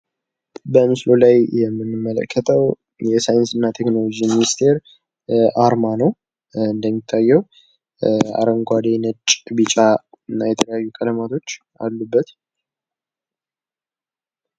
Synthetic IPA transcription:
bəmɨslo̞lajjɛmːɨnːɨmːələ̰kʰːət̪ʰəw | jɛsajɨnsɨnːat̪ʰe̞kno̞lo̞d͡ʒiminist̪ʰe̞ɾ | aɾmanəw | ɨnd̪əmːit̪ʰːajːɛw | a̰ɾəŋɡʷad̪enət͡ʃʼbit͡ʃʼaɨnːajɛt̪ʰələjajːukʼələmat̪ʰo̞t͡ʃː | ʔa̰lːubːət̪

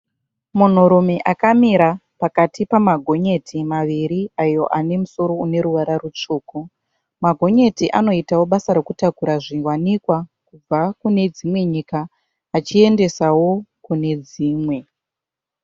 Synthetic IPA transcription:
mun̤uɾume̞ʔakamiɾapakatipamaɡʱo̞ɲe̞tʰimaʋiɾiajo̞̰ʔane̞muso̞ɾo̞une̞ɾuʋaɾarut͡ʂuːku | maɡʱo̞ɲe̞tiʔano̞itawo̞ɓasaɾekutakuɾaʐiwanikwakub͡vakune̞d͡zimwe̞ɲikaː | t͡ʃie̞nde̞sawo̞kune̞d͡ziːmwe̞

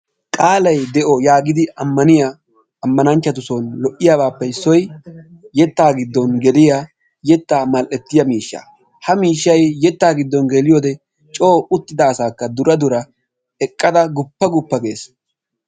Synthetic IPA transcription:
kʼaːlɐjd̪ɛʔɔjaːɡɪd̪ɪɐmːɐnɪja | ɐmːɐnɐnt͡ʃːɐt̪ʊsɔnlɔʔːɪjaːbaːpːɛɪsːɔjjɛt̪ːaːɡɪd̪ːɔnɡɛd̪ɪja | jɛt̪ːaːmɐlʔɛt̪ːɪjɐmiːʃːa̰ | hɐmiːʃːɐjːɛt̪ːaːɡɪd̪ːɔnɡɛlɪjoːd̪ɛ | t͡ʃʼo̞ːʊt̪ːɪd̪ɐːsaːkːɐd̪ʊɾɐd̪ʊɾɐ | ɛkʼːɐd̪ɐɡʊpːɐɡʊpːɐɡe̞ːs

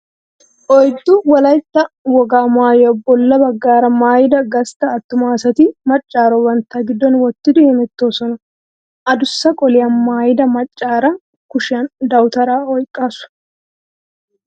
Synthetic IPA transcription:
ʔɔjd̪ːʊwɐlɐjt̪ːɐ | wɔɡaːmaːjɔbːɔlːɐbɐɡːaːɾɐmaːjɪd̪ɐɡɐst̪ɐːt̪ːʊmaːsɐt̪ɪmɐt͡ʃʼːaːɾɔwɐnt̪ːaɡɪd̪ːɔnwɔt̪ːɪd̪ɪhɛmɛt̪ːoːsɔnɐ | ʔɐd̪ʊsːɐkʼɔlɪjanmaːjɪd̪ɐmɐt͡ʃʼːaːɾɐ | kʊʃɪɐnd̪ɐwt̪ɐɾaːɔjkʼːaːsʊ̥

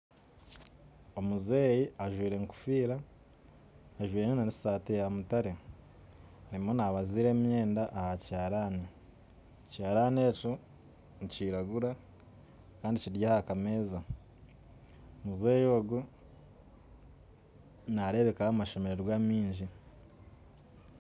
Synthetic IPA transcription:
o̞muzeːjiaʒwiːɾe̞ŋku̥fiːɾa | ʒwiːɾeenanisaːtejamutaɾe | aɾimo̞naβaziːɾe̞ːmje̞ːndaʔːhacaːɾani | caːɾaːneːco | niciɾaɡuɾa | kaːndiciɾɟahakame̞ːza | omuzeːjo̞ːɡu | naɾe̞βe̞kahamaʃe̞me̞ɾeɾɡwaːmiːɲʒi

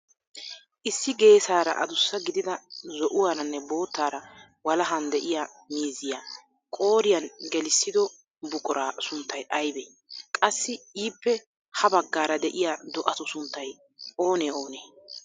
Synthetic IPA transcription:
ʔɪsːɪɡe̞ːsaːɾɐ̰ʔɐ̰d̪ʊsːɐɡɪd̪ɪd̪ɐzɔʔʊwaːɾɐnːɛbo̞ːt̪ːaːɾɐ | wɐlɐɦɐnd̪ɛʔɪja | miːzɪja | kʼo̞ːɾɪjɐnɡɛlɪsːɪd̪ɔ | bʊkʼɔɾaːsʊnt̪ːɐjʔɐjbeː | kʼɐsːɪiːpːɛ | hɐbɐɡːaːɾɐd̪ɛʔɪjad̪ɔʔɐt̪ʊsʊnt̪ːɐj | ʔo̞ːneːo̞ːneː

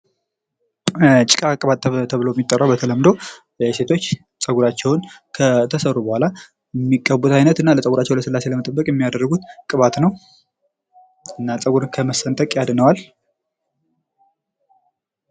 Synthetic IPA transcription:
t͡ʃʼɪkʼakʼɨβat̪t̪ʰəβlojɛmit̪ʼːərːawbət̪ʰələmd̪o̞ | ɛse̞t̪ʰo̞t͡ʃː | t͡sʼəɡuɾat͡ʃːɛwʊnkʰət̪ʰəsərubəhʷala | jɛmːikʼːəbut̪ʰajnət̪ɨnːaləsʼəɡuɾat͡ʃːɛwləsɨlːase̞ləmət̪ʼəbːəkʼjɛmːijad̪ərːəɡut̪kʼɨβat̪nəw | ɨnːat͡sʼəɡuɾɨnkʰəməsənt̪ʼəkʼjad̪nəwal

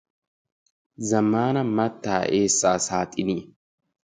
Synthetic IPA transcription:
zɐmːaːnɐmɐt̪ːaːʔe̞ːsːaːsaːt̪ʼɪni

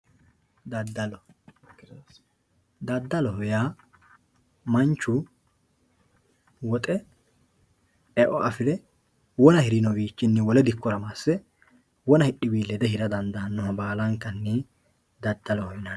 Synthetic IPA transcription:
d̪ɐd̪ːɐlɔ | d̪ɐd̪ːɐlɔhɔjaː | mɐnt͡ʃːʊ | wɔt̪ʼɛ | ɛʔɔʔɐfɪd̪ɛ | wɔnɐhɪɾɪnɔbiːt͡ʃːɪnːɛwɔlɛd̪ɪkːɔɾɐmaːsːɛ | wɔnɐhɪɗːɪbiːlːɛd̪ɛɦɪɾɐd̪ɐnd̪ɐnːʊhɐbaːlɐŋkːɐnːɛ | d̪ɐd̪ːɐlɔhɔjɪnɐn

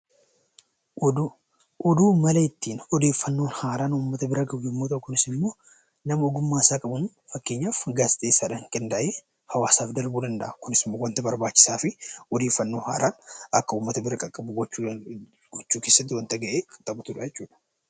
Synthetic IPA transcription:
ʔɔd̪uːmɐlɐɪt̪ːiːnɔd̪e̞ːfːɐnːo̞ːnhaːɾaːnʊːmːɐt̪ɐbɪɾɐɡɐbjɪmːot̪ɐʔkʊnɪsɪmːo̞ː | nɐmɐɔɡʊmːaːsaːkʼɐbʊn | fɐkːe̞ːɲːaːfɡaːst̪ʼeːsːaːᶑɐhɪŋkʼɛnd̪aʔeː | hɐwaːsaːfd̪ɐɾbuːd̪ɐnd̪ɐʔɐkʊnɪsɪmːo̞ːwɐnt̪ɐbɐɾbaːt͡ʃːɪ̥saːfɪɔd̪e̞ːfːɐnːo̞ːha̰ːɾaːnɐkːɐuːmːɐt̪ɐbɪɾɐkʼɐkʼːɐbʊɡɔt͡ʃːu | ɡ̥ɔt͡ʃːuːke̞ːsːɐt̪ːɪwɐnt̪ɐɡɐʔeːkʼɐt̪ʼːɐbʊt̪ʊᶑɐjɛt͡ʃːuːᶑɐ̥

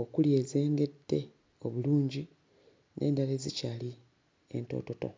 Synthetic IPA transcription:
okulje̞ːzeːŋɡe̞dːe̞ | o̞βuluːɲɟi | nʔe̞̰ːndale̞zicaːli | e̞̰nto̞̰ːto̞to̞̰

